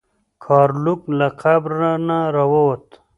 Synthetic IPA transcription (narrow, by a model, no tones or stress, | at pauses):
kʰɑːɾluklaqʰabɾanaɾawawot̪